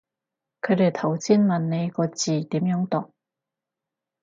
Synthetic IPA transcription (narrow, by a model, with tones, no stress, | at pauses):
kʰɵ˨˧˥d̪e˨˩jt̪ʰɐ˨˩wt͡siː˥nmɐ˨nːe˨˧jkɔː˧t͡siː˨˩t̪i˨˥mjœː˨˧˥ŋt̪ɔ˨˩ŋ̚